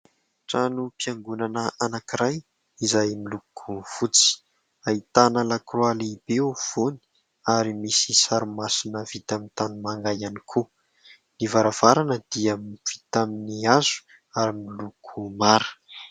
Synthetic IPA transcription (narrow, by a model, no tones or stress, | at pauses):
ʈ͡ʂanupiaŋɡunanəʔanakiɾaj | izajmilukʰuv̥ut͡si̥ | ait̪anəlakrualibev̥oni̥ | aɾimisisaɾumasinəvit̪amint̪animaŋɡajanikʰu | nivaɾav̥aɾanəd̪̥iamv̥it̪aminiazu̥ | aɾimilukʰumaɾ̥